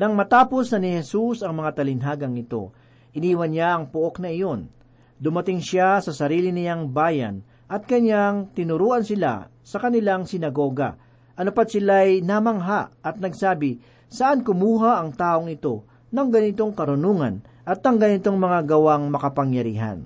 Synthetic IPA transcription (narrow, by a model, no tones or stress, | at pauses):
nɐŋmɐt̪aːpo̞snɐnɪhɛsusɐŋmɐŋat̪ɐlɪnɦaːɡɐŋɪt̪o̞̰ | ʔɪniːwɐnɲaʔɐŋpʊʔo̞knɐɪjo̞n | d̪ʊmɐt̪ɪŋʃasɐsɐɾiːlɪnɪjaŋbaːjɐ̰n | ʔɐt̪̚kɐɲaŋt̪ɪnʊɾuːʔɐnsɪla̰ | sɐkɐnɪlaŋsɪnɐɡo̞ːɡɐ̰ | ʔɐnʊpad̪̚sɪlajnamɐŋɦaʔɐt̪̚nɐɡsaːbɪ | sɐʔankʊmuːɦaʔɐŋt̪aːʔo̞ŋɪt̪o̞ | nɐŋɡɐnɪt̪o̞ŋkɐɾʊnuːŋɐ̰n | ʔɐt̪ɐŋɡɐnɪt̪oŋmɐŋaɡɐwaŋmɐkɐpɐŋjɐɾḭːɦɐ̰n